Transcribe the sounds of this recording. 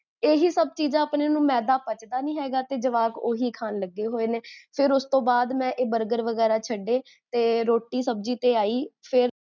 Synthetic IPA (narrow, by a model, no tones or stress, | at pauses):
eːɦiːsəb̚t͡ʃiːd͡ʒãːəpneːnũːmɛːd̪aːpət͡ʃd̪aːnĩːɦɛːɡaːt̪eːd͡ʒəʋaːkoːɦiːkʰaːnləɡːeːɦoːeːneːpʰɪɾʊst̪õːbaːd̪mɛ̃ːʔeːbəɾɡəɾʋəɡɛːɾaːt͡ʃʰəɖːeː | t̪eːɾoːʈːiːsəb̚d͡ʒiːt̪eːaːiːpʰɪɾ